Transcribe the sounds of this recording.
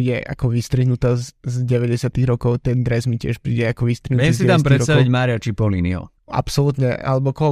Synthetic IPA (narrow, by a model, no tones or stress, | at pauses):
jɛʔa̰kɔʋist̪ɾiɦnut̪aːzzɟɛʋɛɟɛsɪat̪iɣɾɔkɔʊt̪ɛnd̪ɾɛzmicɪɛʃpɾḭːɟɛakɔʋist̪ɾiɦ̪ʋɛɛmzsiɛt̪amspɾɛɾɔst̪aɔʋiɟmaːɾiat͡ʃipɔliniɔ̰ | a̰psɔlut̪ɲɛa̰lɛbɔkɔ